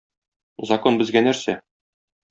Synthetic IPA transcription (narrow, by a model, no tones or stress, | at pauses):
zɐkonbɘ̆zɡænæɾsæ